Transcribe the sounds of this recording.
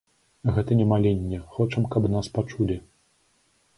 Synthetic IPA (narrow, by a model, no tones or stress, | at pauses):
ɣɛt̪ɐnʲɛmalʲenʲːɛxɔt͡ʂɐmkɐbnaspat͡ʂulʲi